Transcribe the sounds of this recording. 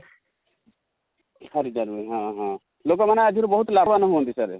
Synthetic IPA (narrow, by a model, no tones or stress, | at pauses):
həɾid͡ʒəɾuɾiɦãɦã | lokɔmənaad͡ʒʱiɾobəɦut̪labanəɦɦõnd̪isəɾ